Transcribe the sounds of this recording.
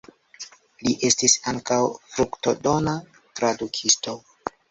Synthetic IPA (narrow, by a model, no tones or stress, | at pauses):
liʔe̞stisaŋkawfɾukto̞do̞na | tɾadukʰisto̞